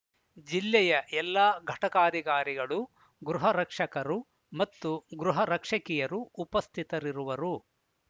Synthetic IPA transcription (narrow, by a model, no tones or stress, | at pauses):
d͡ʒilːɛjɐʔɛlːaːɡʱɐʈɐkaːd̪iɡaːɾiɡɐɭu | ɡɾuɦɐɾɐkʂɐkɐɾu | mɐt̪ːuɡɾuɦɐɾɐkʂɐkijɐɾuːpɐst̪ʰit̪ɐɾiɾuʋɐɾu